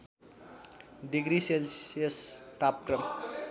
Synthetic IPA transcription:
ɖiɡɾiselsest̪ap̚krʌm

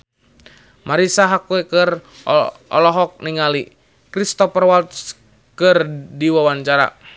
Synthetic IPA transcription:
maɾisaɦakuɛkɨr | ɔ̰lɔɦɔk̚niŋali | kɾist̪ɔpərwalt̪s | kɨrdiwawaɲt͡ʃaɾa̰

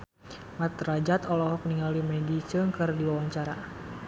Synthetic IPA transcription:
mat̪rad͡ʒat̪ɔlɔɦɔpəniŋɡalimɛdit͡ʃəŋkərdiwawaɲt͡ʃaɾa

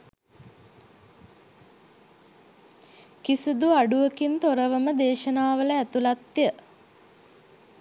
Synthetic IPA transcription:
kisid̪uaɖuʋəkint̪oɾəʋəməd̪eːʃənaːʋələæt̪ulat̪ːjə

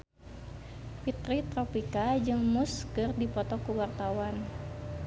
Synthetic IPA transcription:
fit̪ɾit̪ɾɔpikad͡ʒɨŋmuskɨrdipɔt̪ɔkuwart̪awan

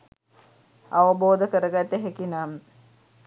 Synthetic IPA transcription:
aʋəboːd̪əkəɾəɡat̪ːeɦekinamə

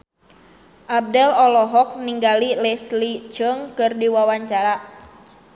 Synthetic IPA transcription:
ʔab̚dɛlɔlɔɦɔk̚niŋɡalilɛslit͡ʃəŋkɨrdiwawaɲt͡ʃaɾa

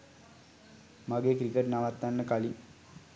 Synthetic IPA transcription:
maɡeːkɾikəʈnaʋat̪ːanːəkali

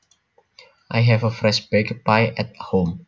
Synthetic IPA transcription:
ʔajɦɛvəfɹɛʃbɛkəpaɪɛt̚hõm

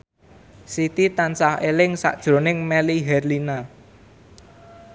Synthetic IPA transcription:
sit̪it̪ansahelɪŋsa̰ʔd̥ʒ̥ɾo̤nɪŋmɛliɦɛrlina

